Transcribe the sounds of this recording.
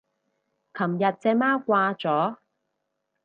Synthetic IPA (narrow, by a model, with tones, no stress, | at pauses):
kʰɐ˨˩mjɐ˨t̚t͡sɛː˧maː˥kʷaː˧t͡sɔː˨˥